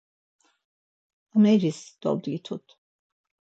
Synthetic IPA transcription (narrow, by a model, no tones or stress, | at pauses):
amɛɾisd̪̥ɔ̰ld̪ɡit̪ʰut̪ʰ